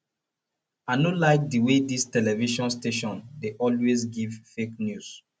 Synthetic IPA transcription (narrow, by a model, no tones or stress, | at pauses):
anolaɪk̚diwedistɛlɛviʃɔ̃nsteʃɔ̃ndeʔɔlwezɡivfeknjus